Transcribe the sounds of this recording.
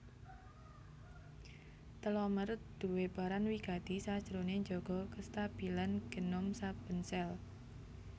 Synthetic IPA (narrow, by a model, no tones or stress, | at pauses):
t̪əlɔmərd̪̥ṳweb̥a̤ɾanwiɡ̥a̤t̪isḁd͡ʒ̥əɾoneɲd͡ʒɔɡ̥ɔ̤kəst̪ab̥i̤lanɡ̥ə̤nʊmsab̥ənsɛl